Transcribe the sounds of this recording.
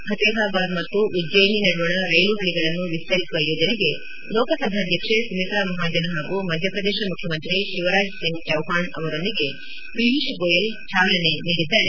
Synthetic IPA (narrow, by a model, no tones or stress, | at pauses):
ɦɐt̪eːbʱaːbad̪mɐt̪ːuʋid͡ʒɐjɐninɐɽuʋɐɳɐɾɐjluɦɐɭiɡɐɭɐnːuʋist̪ɐɾisuʋɐjoːd͡ʒɐneɡe̞ | lɔːkɐsɐd̪ʱaːd̪ʱjɐkʂesumit̪amɐɦaːd͡ʒɐnɐɦaːɡumɐd̪ʱjɐpɾɐd̪eːʃɐmukʰjɐmɐnt̪ɾiʃiʋɐɾaːd͡ʒsiŋɡt͡ʃɐwɦaːɳɐ̰ʋɐɾond̪iɡe̞ | pɾiʋiʃɡoːjɐlt͡ʃaːʋlɐneniːɽid̪aːɾe